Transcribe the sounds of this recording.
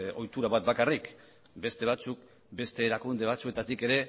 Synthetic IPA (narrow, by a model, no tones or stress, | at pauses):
o̞jt̪uɾaβat̪̚bakarik | be̞st̪e̞β̞at͡suk̚ | be̞st̪e̞ːɾakund̪e̞β̞at͡sue̞t̪at̪ike̞ɾe̞